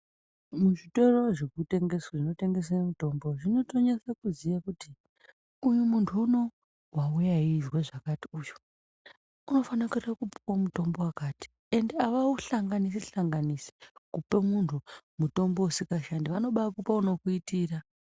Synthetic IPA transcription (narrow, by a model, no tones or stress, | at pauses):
muʐito̞roʐekute̞ŋɡe̞swaʐino̞te̞ŋɡe̞s̬anemuto̞mbo̞ʐino̞to̞ɲesakuzijakuti | ujumuntʰuːno̞ | waujaɦizweʐakatiuːju | uno̞fanakarakupu̥kamuto̞mbo̞wakaːti̥ | e̞ndeaʋauɬaŋɡanis̬iɬaŋɡanisi̥kupemuntʰumuto̞mbo̞usikaʃandiʋano̞ɓakupauno̞kuitiːra